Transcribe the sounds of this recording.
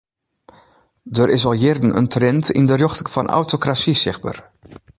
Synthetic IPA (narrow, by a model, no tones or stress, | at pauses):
dəɾʔɪsɔlˠjɪrdn̩ʔə̰ntrɛntɪ̰ndərjɔxtfɔnʔa̰wtokrasisɪxbə̰r